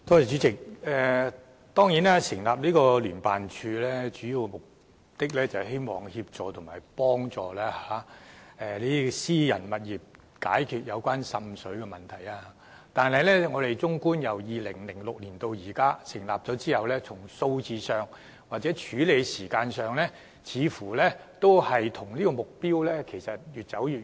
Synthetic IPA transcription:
t̪oː˥jɐ˨˩t͡ʃyː˨˥t͡sɪ˨k̚ɛː˨˧ | t̪ɔː˥ŋjiː˨˥naː˥sɪ˨˩ŋlaː˨p̚liː˥kɔː˧lyː˨˩npaː˨nt͡ʃʰyː˧lɛː˥t͡ʃyː˨˥jiː˨˧wmʊ˨k̚ | t̪ɪ˥k̚lɛː˥t͡sɐ˨˩wɦe˥jmɔː˨˩ŋhiː˧p̚t͡sɔː˨t̪ʰʊ˨˩ŋmaː˨˩jpɔː˥ŋt͡sɔː˨˩lɛː˥aː˨˦ʔɛː˧liː˥siː˥jɐ̰˨˩nmɐ˨˩t̚jiː˨˩p̚ | ka̰ː˨˥jkʰyː˨t̚jɐ˨˧wkʷwaː˥nsɐ˧msɵ˨˥kɛ˧mɐ˨nt̪ʰɐ˨˩jaː˧a˧˥ | t̪aː˨nhɐ˨jlɛ˥ŋɔː˨˧t̪e˨jt͡sʊ˥ŋkuː˥njɐ˨˩wjiː˨lɪ˨˩ŋlɪ˨˩ŋlʊ˨k̚liː˨˩nt̪o˧wjiː˨˩kaː˥sɪ˨˩ŋlaː˨p̚t͡ʃɔː˨˥t͡siː˥hɐ˨wlɛː˥t͡sʰʊ˨˩ŋso˧wt͡siː˧sœː˨ŋ | waː˨k̚t͡sɛː˨˥t͡ʃʰyː˨˥le˨˧jsiː˨˩kaː˧nsœː˨ŋlɛː˥ | t͡sʰiː˨˧fuː˨˩lɛː˥t̪o˥whɐ˨jt̪ʰʊ˨˩ŋliː˥kɔː˧mʊ˨k̚piː˥wlɛː˥kʰe˨˩jsɐ˨t̚jyː˨t̚t͡sɐ˨˥wjyː˨

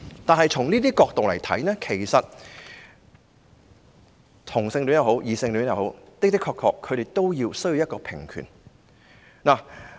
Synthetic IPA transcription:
t̪aː˨nhɦɐ˨jt͡ʃʰʊ˨˩ŋniː˥t̪̬iː˥kɔː˧k̚t̪o˨wlɐ˨˩jt̪ʰɐ̰˨˥jnɛː˥kʰe˨˩jsɐ˨t̚ | t̪ʰʊ˨˩ŋsɪ˧ŋlyː˨˥jɐ˨˧who˨˥wjiː˨˧sɪ˧ŋlyː˨˥njɐ˨˧who˨˥wt̪ɪ˥kt̪̬ɪ˥kʰːɔː˧˥kʰɔː˧kʰːɵ˨˧ɾe˨jt̪o˥wjiː˧wsɵ˥ji˧wjɐ˥tkɔː˧pʰɪ˨˩ŋkʰy̰˨˩n | naː˨˩

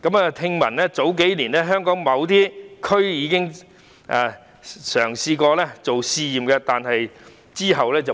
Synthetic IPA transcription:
kɐ˨˥maː˨˧t̪ʰɪ˧ŋmɐ˨˩nlɛː˥t͡so˨˥wk̬e˨˥jliː˨˩nɛː˥ɦœː˥ŋkɔː˨˥ŋmɐ˨˧wt̪iː˥kʰɵ˥ɥjiː˨˧kɪ˥ŋ | ʔaː˨˧ | sœː˨˩ŋsiː˧kɔː˧lɛː˥t͡so˨wsiː˧jiː˨mkɛː˧t̪aː˨nɦɐ˨j | t͡siː˥ɦɐ˨wlɛː˥t͡sɐ˨

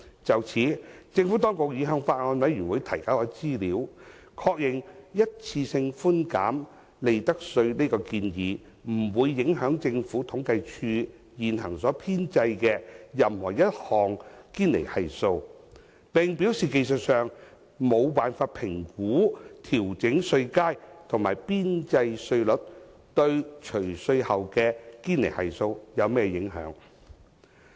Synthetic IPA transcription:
t͡sɐ˨wt͡sʰiː˨˥t͡sɪ˧ŋfu˨˥t̪ɔː˥ŋkʊ˨k̚jiː˨˧˥ɦœː˨˧ŋfaː˧t̚ŋɔː˨˧nwɐ˨˥jyː˨˩nwu˨˧jt̪ʰɐ˨˩jkaː˨˥wɔː˨˥t͡siː˥liː˨˥w | kʰɔː˧k̚jɪ˨˩ŋjɐ˥t̚t͡sʰiː˧sɪ˧ŋfuː˥nka̰ː˨˥m | le˨jt̪ɐ˥k̚sɵ˧ɥneː˥kɔː˧kiː˧njiː˨˧ | m̩˨˩wuː˨˧jːɪ˨˥ŋɦœː˨˥ŋt͡sɪ˧ŋfuː˨˥t̪ʰʊ˨˥ŋkɐ˧jt͡ʃʰyː˧ | jiː˨nɦɐ˨˩ŋsɔː˨˥pʰiː˥nt͡sɐ˧jkɛː˧jɐ˨mhɔː˨˩jɐ˥t̚hɔː˨ŋkiː˥nlḛ˨˩jhɐ˨jso˧w | pɪ˨ŋpi˨˥wsiː˨ke˧jsə˨t̚sœː˨ŋ | mo˨˧wpaː˨˩nfaː˧t̚pʰɪ˨˩ŋkuː˨˥t̪ʰiː˨˩wt͡sɪ˨˥ŋsɵ˧ɥkaː˥jt̪ʰʊ˨˩ŋmaː˨˩jpiː˥nt͡sɐ˧jsɵ˧ɥlɵ˨˥t̚t̪ɵ˧ɥt͡ʃʰɵ˨˩ɥsɵ˧ɥhɐ˨wkɛː˧kiː˥nle˨˩jhɐ˨jso˧wjɐ˨˧wmɛː˥˩jɪ˨˥ŋɦœ̰ː˨˥ŋ

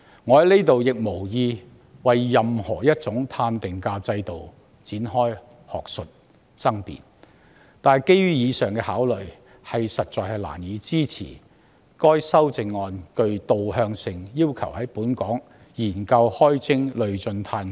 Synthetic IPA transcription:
ŋɔː˨˧hɐ˨˥jle˥t̪o˨wjɪ˨k̚mo˨˩wjiː˧ | wɐ˨jːɐ˨mhɔ̰ː˨˩jɐ˥t̚t͡sʊ˨˥ŋt̪ʰaː˧nt̪ɪ˨ŋkaː˧t͡sɐ˧jt̪o˨w | t͡siː˨˥nɦɔː˥j | hɔ̰ː˨˩k̚sɵ˨t̚ | sɐ˥ŋpḭ˨n | t̪aː˨jke˥jɥyː˥jiː˨˧sœː˨ŋkɛː˧haː˨˥wlɵ˨ɥ | hɐ˨jsɐ˨t̚t͡sɔː˨jɦɐ˨la̰ː˨˩njiː˨˥t͡siː˥t͡sʰḭː˨˩ | kɔː˥jsɐ˥wt͡sɪ˧ŋːɔː˧nkɵ˧ɥt̪o˨whœː˧ŋsɪ˨ŋjiː˥wkʰɐ˨˩whɐ˨˥jpuː˨˥nkɔː˨˥ŋ | jiː˨˩nkɐ˧whɔː˥jt͡sʰɪ˥ŋlɵ˨ɥt͡ʃɵ˧nt̪ʰaː˧n

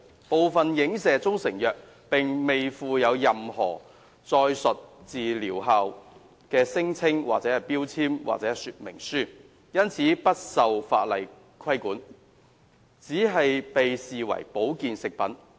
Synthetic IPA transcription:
po˨wfɐ˨njɪ˨˥ŋsɛː˨t͡sʊ˥ŋsɪ˨˩ŋjœː˨k̚ | pɪ˨ŋme˨jfuː˨˧jɐ˨˧wjɐ˨mhɔ̰ː˨˩ | t͡sɔː˧jsɵ˨t̚t͡siː˨liː˨˩wɦaː˨˧w | kɛː˧sɪ˥ŋt͡sʰɪ˥ŋwaː˨t͡sɛː˨˥hɐ˨jpiː˥wt͡sʰiː˥mwa̰˨k̚t͡sɛː˨˧˥syː˨t̚mɪ˨˩ŋsyː˥ | jɐ˥nt͡sʰiː˨˥pɐ˥t̚sɐ˨wfa̰ː˧t̚lɐ˨j | kʰɐ˥jkuː˨˥n | t͡siː˨˥ɦɐ˨jpe˨jsiː˨wɐ̰˨˩jpo˨˥wkiː˨nsɪ˨k̚pɐ˨˥n

